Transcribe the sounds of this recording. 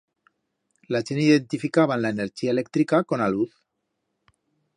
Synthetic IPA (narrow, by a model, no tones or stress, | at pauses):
lat͡ʃeniðent̪ifikaβ̞anlaeneɾt͡ʃiaelek̚t̪ɾikakonaluθ